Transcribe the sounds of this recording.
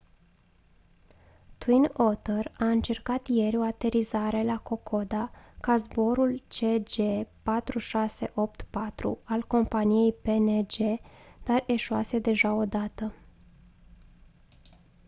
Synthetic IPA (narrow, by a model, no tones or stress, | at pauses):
t̪wino̞t̪əraɨnt͡ʃe̞rkat̪je̞ɾʲo̞at̪e̞ɾizaɾe̞lako̞kʰo̞d̪akazbo̞ɾult͡ʃe̞d͡ʒe̞pat̪ɾuʃase̞̰ʔo̞p̚t̪pat̪ɾṵalko̞mpanije̞jpe̞ned͡ʒe̞d̪̥are̞ʃuase̞d̪e̞ʒao̞d̪at̪ə